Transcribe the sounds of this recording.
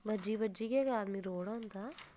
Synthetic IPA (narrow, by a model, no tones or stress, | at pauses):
ʋɐd͡ʒiʋɐd͡ʒiɡeːɡaːd̪miɾoːɽant̪a